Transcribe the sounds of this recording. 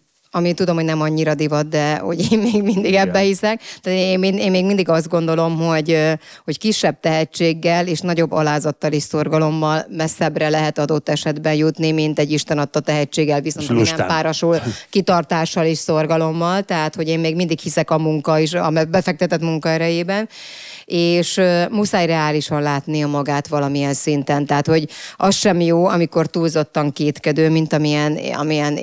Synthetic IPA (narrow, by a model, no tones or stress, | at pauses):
ɒmit̪ud̪o̞mhonɛmɒɲːiɾɒd̪ivɒd̪̚d̪ɛho̞̰ɟeːnmeːɡmind̪iɡɛbːɛhisɛkt̪aːt̪ːemineːmeːɡmind̪iɡɒzd̪̚ɡo̞nd̪o̞lo̞mɦo̞ɟ | ho̞ckiʃːɛb̚t̪ɛɦɛt͡ʃːeːɡːɛleːʃnɒɟo̞bːɒlaːzɒt̪ːɒliʃso̞rɡɒlo̞mːɒlmɛsɛbrɛlɛɦɛt̪ɒd̪o̞t̪ːɛʃɛd̪bɛnjut̪nimint̪ɛɟːiʃt̪ɛnɒt̪ːɒt̪ɛɦɛt͡ʃːeːɡːɛlviso̞nt̪nɛmpaːɾɒʃulkit̪ɒrt̪aːʃːɒleːʃso̞rɡɒlo̞mːɒlt̪ɛɦaːt̪ho̞ɟeːmmeːɡmind̪ikhisɛkɒmuŋkɒiʃɒmɛbɛfɛk̚t̪ɛt̪ɛt̪muŋkɒɛɾɛjeːbɛn | eːʃmusaːjrɛaːliʃɒnlaːt̪niɒmɒɡaːt̪ʋɒlɒmijɛnsint̪ɛnt̪ɛɦat̪ho̞ɟʔɒsʃɛmjoːɒmiko̞rt̪uːlzo̞t̪ːɒŋkeːt̪kɛd̪øːmint̪ɒmiɛnɒ̰mijɛn